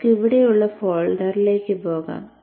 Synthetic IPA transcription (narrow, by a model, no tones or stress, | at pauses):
kiʋiɽejuɭːɐfoːɭɖɐɾileːkʲːɨpoːɣa̰ːm